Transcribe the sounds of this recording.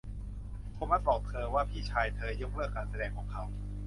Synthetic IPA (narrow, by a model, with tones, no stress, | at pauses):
kʰo˧˥˦ma˦˥t̪̚bɔː˨˩k̚t̪ʰɤː˧waː˥˩pʰiː˥˩t͡ɕʰaː˧jt̪ʰɤː˧ju˦˥k̚lɯː˥˩əkaː˧nsa˧dɛː˧ŋkʰɔː˩˦ŋkʰa˦˥w